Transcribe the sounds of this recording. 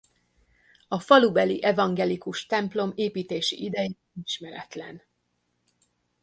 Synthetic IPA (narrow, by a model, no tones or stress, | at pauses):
ɒfɒlubɛliʔɛvɒŋɡɛlikuʃt̪ɛmplo̞meːpiːt̪eːʃḭʔid̪ɛji | iʃmɛɾɛt̪lɛ̰n